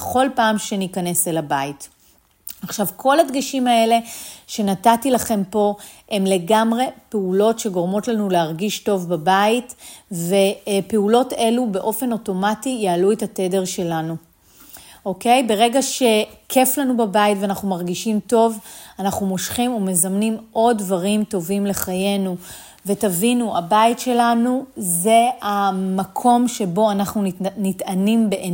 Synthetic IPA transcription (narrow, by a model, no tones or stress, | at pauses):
χo̞lpaːmʃe̞nikane̞selabait | aχʃavkʰo̞ladɡiʃimae̞le̞ʃe̞natatilaχe̞mpo̞ | e̞mle̞ɡamʁe̞peulo̞tʃe̞ɡo̞ʁmo̞tlanuleaʁɡiʃto̞vbabaitve̞pe̞ulo̞te̞lube̞ʔo̞fe̞no̞to̞matijaːluetate̞de̞ʁʃe̞lanu | ʔo̞ke̞jbe̞ʁe̞ɡaʃe̞kʰe̞flanubabaitveanaχnumaʁɡiʃimto̞vanaχnumo̞ʃχimume̞zamnimʔo̞dvaʁimto̞vimle̞χaje̞nu | vetavinua̰baitʃe̞lanuze̞amakʰo̞mʃe̞bo̞anaχnunitanimbeʔe